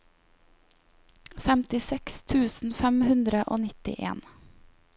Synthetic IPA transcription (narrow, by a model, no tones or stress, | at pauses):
fɛmt̪ɪsɛkst̪ʰʉːsn̩fɛmhʉnd̪ɾəʔo̰ːnɪt̪ɪ̰ʔḛːn